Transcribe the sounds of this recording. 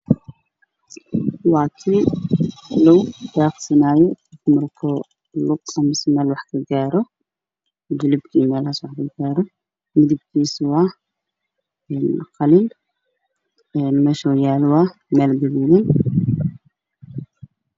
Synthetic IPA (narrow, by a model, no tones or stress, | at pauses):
wɑːkʰi | lɔwbaːqsɪnaːjɔtʰɐk̪ʰʊmɐrkʰɔ | lʊqɐmɪsmɛːlwɑħkʰɐɡaːɾɔ | d͡ʒɪlɪbkʰimɛːlhɐswɑħkʰɐɡaːɾɔ | mɪd̪ɪb̚kʰiːswɑ | ɛnqɑliːn | ɛnmɛʃɔjaːlwɑmɛːlɡɐliːlɪn